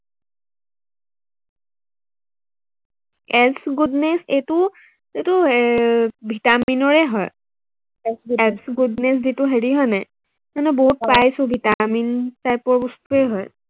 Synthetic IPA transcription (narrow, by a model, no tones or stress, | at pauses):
ɛsɡudnesejtʊ | zitʊ | bʱitaminɔɹɛɦɔj | ɛsɛsɡudneszitʊɦeɹiɦɔjnɛ | manɛboɦut̚pajsʊ̃bʱitamintajpɔɹbɔstuɛɦɔj